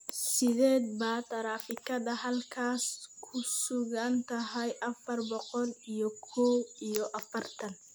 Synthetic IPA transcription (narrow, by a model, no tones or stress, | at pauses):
sɪðɛːd̪baːt̪ʰɐɾaːfɪkʰɐðɐɦɐlkʰaːskʰʊsʊɣɐnt̪ʰɐɦɛjʔɐfɐrbɔqɔlijɔkʰɔwijɔʔɐfɐrt̪ʰɐn